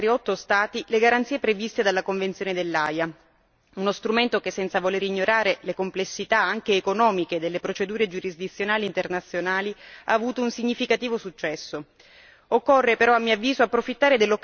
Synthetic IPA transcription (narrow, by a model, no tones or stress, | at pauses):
ɾiɔt̪ːost̪aːt̪ileɡaɾant̪siːepɾevist̪ed̪alːakoɱvent̪sjoːned̪elːaja | unost̪ɾument̪okesːɛnt̪savoleːɾiɲːoɾaːɾelekomplesːit̪aaŋk̟eːkonɔːmiked̪elːepɾot͡ʃed̪uːɾed͡ʒuɾizd̪it̪sːjonaːliːnt̪ernat̪sːjonaːlia̰ːvuːt̪ounsiɲːifikat̪iːvosut͡ʃːɛsːo | okːorːepeɾɔamːiavːiːzoapːɾofit̪ːaːɾed̪elːokː